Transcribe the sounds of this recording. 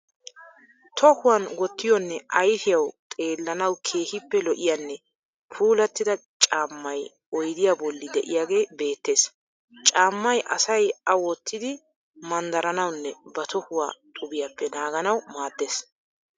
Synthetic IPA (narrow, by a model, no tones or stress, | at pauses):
t̪ʰɔhʊwɐnɡɔt̪ːɪjɔnːɛʔɐjtɪjɐwt̪ʼe̞ːlːɐnɐwkʰe̞ːhɪpːɛlɔʔɪjanːɛ | pʰuːlɐt̪ːɪd̪ɐt͡ʃʼaːmːɐj | ɔjd̪ɪjaːbɔlːɪd̪ɛʔɪjaːɡe̞ːbe̞ːt̪ːe̞ːs | t͡ʃʼaːmːɐjʔɐ̰sɐjɐwɔt̪ːɪd̪ɪ | mɐnd̪ɐɾɐnɐwnːɛbɐt̪ʰɔhʊwa̰ːt̪ʼʊbɪjapːɛnaːɡɐnɐwmaːd̪ːe̞ːs